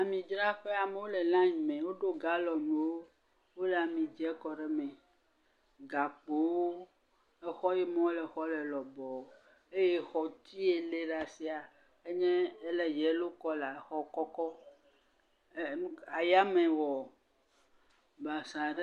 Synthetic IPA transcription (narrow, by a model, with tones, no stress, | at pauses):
a˨mĩ˨d͡ʒɾa˦ɸe˦a˨me˦wo˦le˨lã˦ɲĩ˨mɛ̃˨wo˦ɖo˦ɡa˦lɔ˨me˨wo˦ | wo˦le˨a˨mĩ˨d͡ʒɛ˦kɔ˨ɖe˦mɛ̃˨ | ɡa˨k͡po˨wo˦ | e˦xɔ˦jɛ˦mɔ̃˦lɛ˨xɔ˦lɛ˨lɔ˨bɔ˨ | e˦jɛ˦xɔ˨t̪ʰi˦e˨le˦ɖa˨si˦a˨ | e˦ɲɛ̃˦e˦lɛ˨jɛ˨˦lo˦kɔ˦la˨˦xɔ˦kɔ˦kɔ˦ | a˨ja˦mɛ̃˨wɔ˨ | ba˨sã˨ɖe˦